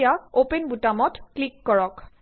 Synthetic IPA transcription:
jaopenbutamɔtklikːɔɹɔk

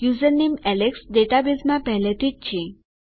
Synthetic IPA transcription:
juzənnemɛleksɖeʈabizmãpɛɦlet̪it͡ɕʰẽ

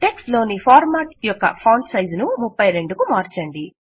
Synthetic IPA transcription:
ʈe̞ksʈlo̞ːnipʰaːɾmaːʈjɔkːɐ̰pʰɐwɳʈsɐjznumupːɐjɾe̞ɳɖukumaːɾt͡ʃɐɳɖi

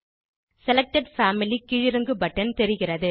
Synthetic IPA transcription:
sɛlɛk̚ʈɐɖfaːmɪlikɪɻɪɾɯŋɡɯbɐʈːɐnt̪ɛɾɪɣɪrɐðɯ

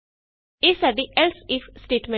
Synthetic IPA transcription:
ɪsəɖiʔelsefsʈeːʈmẽ

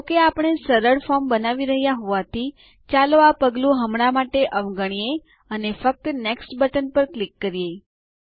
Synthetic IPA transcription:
okeapəɽ̃esəɾəɽfɔmbənaʋiɾəɦjaɦoʋat̪ʰi | t͡ʃaloapəɡlũɦəmɽ̃amaʈeʔəʋɡəɳ̃ije | ənefək̚t̪əneksʈbəʈənpəɾklikːəɾijej

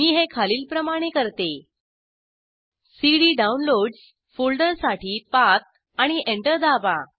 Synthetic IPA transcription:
miːɦekʰaliːlpɾəmaɽ̃ekəɾt̪e | siɽiːɖaunloɖz | fulɖəɾsaʈiːpat̪̚ | aɽ̃iʔeɳʈəɾd̪aʋa

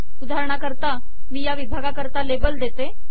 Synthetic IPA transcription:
ud̪ʱaɾɳ̃akəɾt̪a | miːjaʋibʱaɡakəɾt̪alebəld̪et̪e

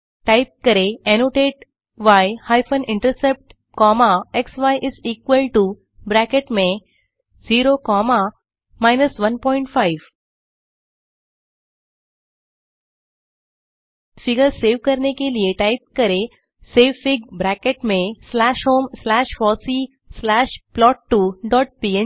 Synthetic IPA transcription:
ʈaɪp̚kəɾeenoʈeːʈ̚ | ʋajhajfʰənɪ̃ɳʈəɾsep̚ʈ | kɔmaeksʋajʔɪziːkʋəlʈu | bɾækeʈmẽ | ziːɾokɔːma | maɪnəsʋɐnpɔːɪ̃ɳʈfaɪʋ | fiɡəɾseːʋkəɾnekelieʈaɪp̚kəɾe | seːʋfiɡ̚bɾækeʈmẽslæːʃɦoːmslæːʃfɔːsi | slæːʃplɔːʈːuɖɔːʈ̚pie

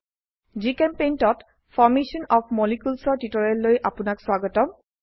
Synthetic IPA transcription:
zikɛmpejntɔt | fʰɔɹmesɔnɔpʰmɔlikulsɔɹtitɔɹɛlːojʔapʊnakswaɡɔtɔm

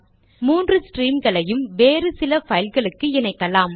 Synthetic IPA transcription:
muːndrɯsʈɾiːmɡɐɭɐjɯmʋeːrɯsɪlɐfɐjɪlɣɐɭɯkːɯɪnɐɪkːɐlaːm

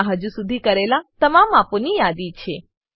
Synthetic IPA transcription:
ɦəd͡ʒusud̪ʱikəɾelat̪əmamaponijad̪it͡ʃʰe

